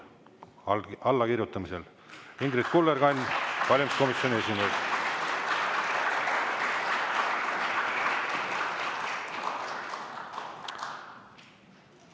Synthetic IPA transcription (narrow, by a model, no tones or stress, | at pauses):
ɑlːɑkiɾjut̪ːˑɑmise̞l | iŋɡɾit̪kulːeɾɡ̥ɑnʲkɑlʲimsko̞misjo̞niesimejd̪